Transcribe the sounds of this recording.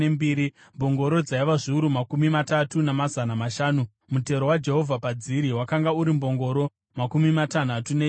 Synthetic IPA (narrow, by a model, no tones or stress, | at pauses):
embiːɾi | mbo̞ŋɡo̞ɾo̞d͡zaiʋaʐiuɾumakumimatatunamazanamaʃaːnu | mute̞ɾowad͡ʒe̞ɦo̞vʱapad͡ziɾiwakaŋɡauɾimbo̞ŋɡo̞ɾo̞ | makumimatan̤atune